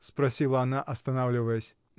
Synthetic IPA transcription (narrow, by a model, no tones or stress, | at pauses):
spɾasʲilˠɐːnaʔɐst̪anawlʲivɐjɛsʲ